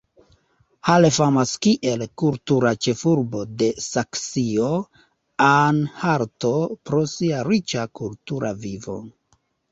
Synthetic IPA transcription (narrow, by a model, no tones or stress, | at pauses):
halefamaskiʔe̞lkultuɾat͡ʃe̞fuɾbo̞de̞saksio | anhaɾto̞pɾo̞siaɾit͡ʃakultuɾa̰vivo̞̰